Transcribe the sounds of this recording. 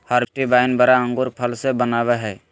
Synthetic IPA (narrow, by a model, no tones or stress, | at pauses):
haɾʈibaɪnbəɾaə̃ŋɡʊɾpʰəlsebənaʋeɦɛː